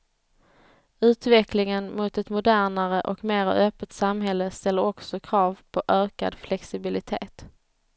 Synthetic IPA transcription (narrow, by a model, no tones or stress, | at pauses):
ʉ̟ːt̪vɛklɪŋənmʊt̪ɛt̪mʊd̪æːɳaɾəʔɔkmeːɾa̰œːpːət̪samɦɛlːəst̪ɛlːəɾɔksɔkʰɾɑːvpʰɔʔøːka̰d̪flɛksɪbɪlɪt̪ʰḛːt̪